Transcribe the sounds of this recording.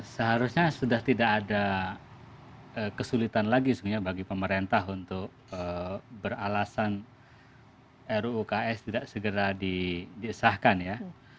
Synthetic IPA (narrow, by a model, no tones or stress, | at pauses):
səɦaɾusɲasudaht̪idakada | əːkəsulit̪anlaɡisuɡɲabaɡipəməɾent̪aɦunt̪ʊk̚əbəralasan | ɛɾuukaɛst̪idaʔsəɡəɾadidiəsahkanja